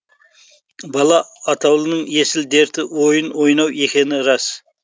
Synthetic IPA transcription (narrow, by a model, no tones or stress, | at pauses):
bɑlˠɑːt̪ʰɑwlˠənəɴje̞sɪld̪e̞ɾt̪ɪwo̞jənwo̞jnɑwe̞kʲe̞nɪɾɑs